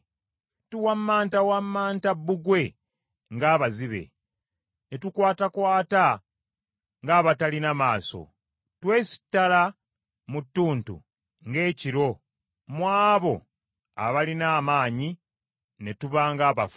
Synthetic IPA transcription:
tuwamːaːntawamːaːntabːuɡwe̞ | ŋɡaːβaziβe̞̰ | netukwaːtakwaːta | ŋɡaːβatalinamaːso̞̰ | twe̞ːsi̥tːala | mutːuːntṵ | ŋɡe̞ːciɾo̞ | mwaːβo̞ | a̰βalinaːmaːɲi | netuβaːŋɡaːβaf

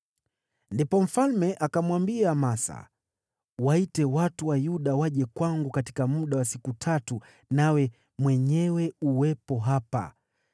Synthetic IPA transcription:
ndipɔm̩falmɛʔakamwambiamasa̰ | waitɛwatuwajuɗawaʄɛkwaŋɡukati̥kamuɗawasikutʰatu | nawɛ | mwɛɲɛwɛuwɛpɔɦapa̰

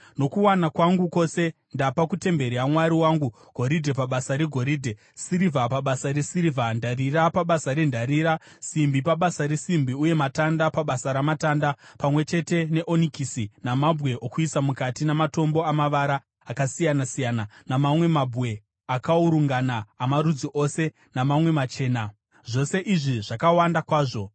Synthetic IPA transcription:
no̞kuwanakwaŋɡuko̞se̞ | ndapakute̞mbe̞ɾiamwaɾiwaːŋɡu | ɡ̥ʱo̞ɾidʱe̞paɓasaɾeɡʱo̞ɾiːdʱe̞ | siɾivapaɓasaɾesiɾivʱandarirapaɓasaɾendʱaɾiːɾasimbipaɓasaɾesimbiuje̞matandapaɓasaɾamataːndapamwe̞t͡ʃe̞te̞ne̞ʔo̞nikisinamabʱɣe̞ʔokuisamukatinamato̞mbo̞amaʋaɾaː | kasijanasijaːnanamamwe̞mabʱɣe̞ | akauɾuŋɡanaːmaɾud͡ziʔose̞ | namamwe̞mat͡ʃe̞ːna | ʐo̞se̞ʔiʐiʐakawandakwaːʐo̞

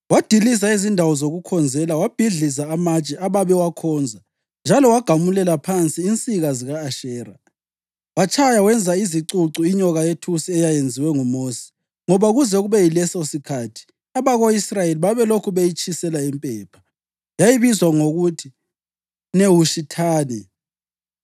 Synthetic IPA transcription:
wad̥ʱilis̬aizindʱawɔzoɣukʰɔnd͡zʱɛlawab̥ʱiɮizaːmat͡ʃʼɛʔaβaβɛwakʰɔnd͡zʱa | nd͡ʒʱalɔwaɡ̥ʱamulɛlapʰant͡sʼiːnt͡sʼiɣaziɣaːʃɛːra | wat͡ʃʰʼajawɛnd͡zʱaiziǀuǀuiɲɔɣajetʰusiɛjajend͡zʱiwɛŋumoːsɛ̥ | ŋɔβauɣuzɛuɣuβɛjilɛsosikʰatʰi̥ | aβaɣoisrajeliβaβɛlokʰuβejit͡ʃʰʼisɛlaimpʼɛːpʰḁ | jajiβizwaŋoɣutʰi | newuʃitʰaːnɛ

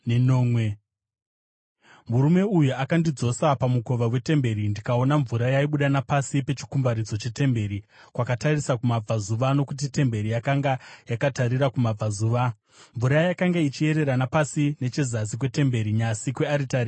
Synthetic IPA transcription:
nnoːmwe | muɾume̞ujuakandid͡zo̞sapamuko̞ʋawe̞te̞mbe̞ɾindikao̞naɱvuɾajaiɓuɗanapasipe̞t͡ʃi̥kumbaɾid͡zo̞t͡ʃe̞te̞mbe̞ɾikwakatarisakumab͡vazuʋano̞kut̬ite̞mbe̞ɾijakaŋɡajakataɾiɾakumab͡vazuːʋa | ɱvuɾajakaŋɡait͡ʃie̞ɾe̞ɾanapasine̞t͡ʃe̞zazik̬we̞te̞mbe̞ɾiɲasikwe̞aɾitaɾi

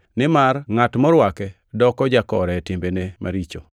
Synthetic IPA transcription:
nɪmarŋatmɔɾwakɛ | dɔkɔd͡ʒakɔɾɛtɪmbenema̰ɾit͡ʃo

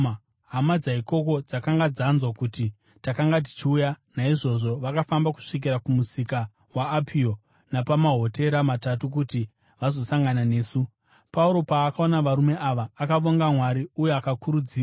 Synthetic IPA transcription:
ɦamad͡zaɦiko̞ko̞d͡zakaŋɡad͡zanzwakuti | takaŋɡat̬i̥t͡ʃiuːjanaiʐo̞ʐo̞ʋakafambaku̥ʂik̬iɾakumusika | waːpʰio̞ | napamaɦo̞te̞ɾamatatukuti | ʋazo̞saŋɡanane̞ːsu | pauɾo̞paːkao̞naʋaɾume̞ʔaʋaːkaʋo̞ŋɡamwaɾiujeakakuɾud͡ziːa

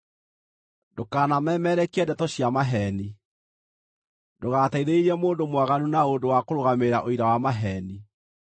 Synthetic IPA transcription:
dokaːnamɛːmɛɾɛkɛndɛtɔɕjamaɦɛni | doɣataiðeiɾɛmoːndomwaɣanunaondowakoɾoɣameɾaʔoiɾawamaɦɛːni

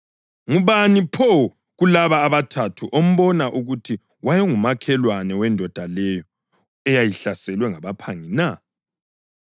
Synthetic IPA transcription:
ŋuβanipʰɔ | ɣulaβaːβatʰatʰuʔom̩βɔnaʔuɣutʰi | wajɔŋumakʰɛlwanɛwɛndʱɔd̥ʱalɛjɔ | ɛjajiɬasɛlwɛŋaβapʰaŋina

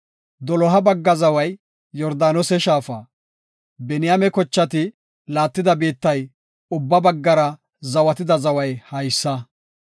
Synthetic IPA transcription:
d̪ɔlɔɦɐbɐɡːɐzɐwɐjː | ɔɾd̪aːnɔsɛʃaːfɐ | bɛnɪjamɛkɔt͡ʃːɐt̪ɪ | laːt̪ːɪd̪ɐbiːt̪ːɐj | ʊbːɐbɐɡːɐɾɐ | zɐwɐt̪ɪd̪ɐzɐwɐjhɐjsːɐ

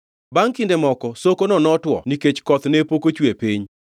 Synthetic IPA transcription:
baŋkɪndemɔkɔsokonɔnɔtwɔ̰niket͡ʃkɔt̪nepokot͡ʃwepiɲ

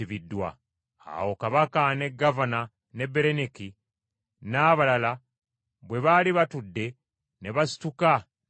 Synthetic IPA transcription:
iβidːwa̰ | a̰wo̞kaβakane̞ɡːavana | ne̞bːe̞ɾeniki | naːβalala | βwe̞βaliβatudːe̞ | ne̞βasi̥tuka

